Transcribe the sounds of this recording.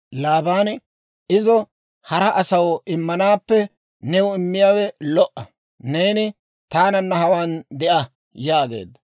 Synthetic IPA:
laːbaːn | ɪzɔ | hɐɾɐʔɐsɐwɔɪmːɐnaːpːɛ | nɛwʊɪmːɪjaːwɛlɔʔɐ | neːnɪ | t̪aːnɐnːɐhɐwaːnd̪ɛʔɐ | jaːɡe̞̰ːd̪ːɐ

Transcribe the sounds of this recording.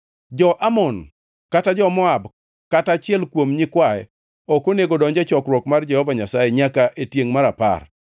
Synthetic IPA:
d͡ʒɔʔamɔn | katad͡ʒɔmɔab | katat͡ʃɪɛlkwomɲɪkwaɛ | okoneɡodɔɲd͡ʒɛt͡ʃɔkɾwɔkmard͡ʒɛhɔvaɲasajeɲakaʔetjeŋmaɾapa̰r

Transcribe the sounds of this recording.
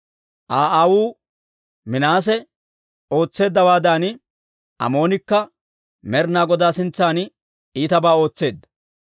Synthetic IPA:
ʔaːʔaːwuː | mɪnaːs̬ɛ | o̞ːt͡sːe̞ːd̪ːɐwaːd̪aːn | ʔɐ̰mo̞ːnɪkːɐ | mɛɾnaːɡɔd̪aːsɪnt͡sːaːn | iːt̪ɐbaːo̞ːt͡sːe̞ːd̪ːɐ̥

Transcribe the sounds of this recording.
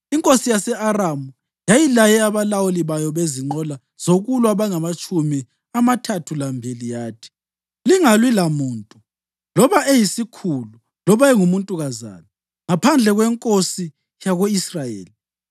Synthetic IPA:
iŋkʼosijasɛʔaramu | jajilajɛaβalawuliβajɔβeziŋ͡ǃɔla | z̥oɣulwaβaŋamat͡ʃʼumi | amatʰatʰulambʱelijaːtʰi̥ | liŋalwilamuːntʼu | lɔβaejisikʰulu | lɔβaɛŋumuntʼuɣaza̰ːnɛ | ŋapʰand͡ɮʱɛɣwɛŋkʼosi | jaɣoisrajḛːli

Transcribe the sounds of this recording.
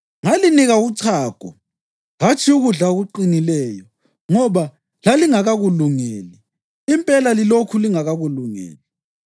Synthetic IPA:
ŋaliniɣaut͡sʰaːɡ̥ʱʼɔ̰ | ɣat͡ʃʰiuɣuɮaɣuǃinilɛːjɔ | ŋɔβa | laliŋaɣaɣuluŋɛːliː | mpʼɛlalilokʰuliŋaɣaɣuluŋɛ̰ːli

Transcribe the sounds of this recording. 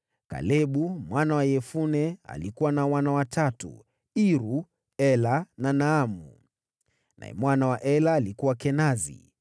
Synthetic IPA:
ka̰lɛɓumwanawajɛfunɛa̰likuwanawanawatʰatṵ | iɾu | ɛlananaːmṵ | na̰ɛ̰mwanawaʔɛlaːlikuwakɛnazḭ

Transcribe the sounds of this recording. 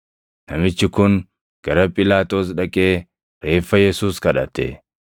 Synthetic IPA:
nɐmɪt͡ʃːɪkʊn | ɡ̥ɐɾɐpʼɪlaːt̪ʼo̞ːs̬ᶑɐkʼe̞ː | ɾe̞ːfːɐjɛsuːskɐᶑɐt̪ḛ

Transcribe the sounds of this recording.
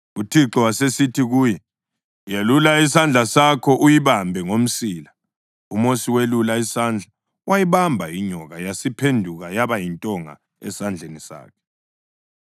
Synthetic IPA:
utʰiǁɔwasesitʰiɣuːjɛ | jelulaisand͡ɮʱasakʰɔʔujiβambʱɛŋom̩siːla | umosiwelulaisand͡ɮʱa | wajiβambʱajiɲɔɣajasipʰendʱuɣajaβajintʼɔŋa̰ | ɛ̰sand͡ɮʱenisa̰ːkʰɛ̥

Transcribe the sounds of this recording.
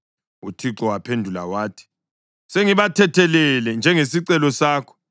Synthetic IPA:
ṵtʰiǁɔwapʰendʱula̰waːtʰi̥ | seŋiβatʰɛtʰɛlɛlɛnd͡ʒʱɛŋesiǀɛlɔsaːkʰɔ̥

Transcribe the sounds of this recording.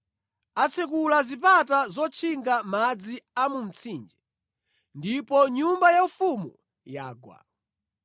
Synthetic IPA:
at͡sʰɛk̬ulazipatazɔt͡ʃʰiŋɡamad͡ziamum̩t͡sʰind͡ʒɛ | ndipɔɲumbajaufumu | jaːɡwa̰

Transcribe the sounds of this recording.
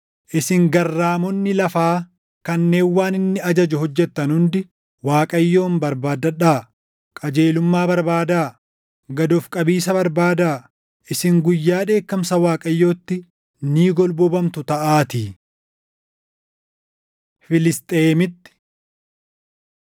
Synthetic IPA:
ʔɪsɪŋɡɐrːaːmɔnːɪlɐfaː | kɐnːe̞ːnwaːnɪnːɪɐd͡ʒɐd͡ʒʊhɔd͡ʒːɛt̪ːɐnhʊnd̪ɪ | waːkʼɐjːo̞ːmbɐɾbaːd̪ɐᶑaː | kʼɐd͡ʒe̞ːlʊmːaːbɐɾbaːd̪aː | ɡɐd̪ɔfkʼɐbiːsɐbɐɾbaːd̪aː | ʔɪsɪŋɡʊjːaːᶑe̞ːkːɐmsɐwaːkʼɐjːo̞ːt̪ːɪ | niːɡɔlbɔbɐmt̪ʊt̪ɐʔaːt̪iː | fɪlɪst̪ʼeːmɪt̪ːɪ̥

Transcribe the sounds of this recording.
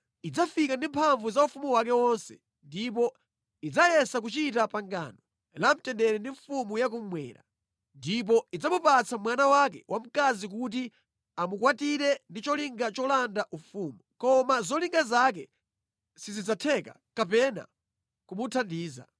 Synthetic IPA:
id͡zafikandimpʰaɱvuzaufumuwak̬ɛwɔnsɛ | ndip̬ɔ | id͡zajɛsak̬ut͡ʃitapaŋɡa̰nɔ | lam̩tɛndɛɾɛndiɱfumujak̬um̩mwɛ̰ːɾa | ndip̬ɔid͡zamupat͡samwanawak̬ɛwʔam̩kazik̬ut̬i | amukwatiɾɛndit͡ʃɔliŋɡat͡ʃɔlandaʔufuːmukɔmazɔliŋɡazak̬ɛ | sizid͡zatʰɛka̰ | kapɛna̰ | kumutʰandiːza̰

